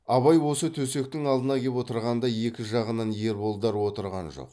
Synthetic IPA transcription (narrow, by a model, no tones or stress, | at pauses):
ɑβɑjwo̞sət̪ʰɵse̞k̚t̪ɪŋɑlˠd̪ənɑkʲʰe̞pwo̞t̪əɾʁɑnd̪ɑje̞kʲɪʒɑʁənɑnje̞ɾbo̞lˠd̪ɑɾwo̞t̪əɾʁɑ̰nʒo̰q